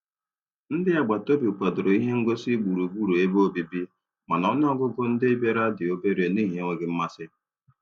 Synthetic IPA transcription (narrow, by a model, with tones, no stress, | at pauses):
n̩˦dɪ˦a˨ɡ͡ba˨to˦bi˨k͡pa˨dʊ˨ɾo˨i˦ɦe˦ŋ̩˦ɡo˦si˦ɡ͡bu˨ɾu˨ɡ͡bu˦ɾu˨e˦bo˦bi˨bi˦ | ma˨nɔ˦n˦ɔ˦ɡʊ˦ɡʊ˦n̩˦dɪ˦be˦ɾa˦dɪ˨o˦be˦ɾe˨ni˦ɦe˦ŋʷe˨ɡɪ˦m̩˦ma˦sɪ˦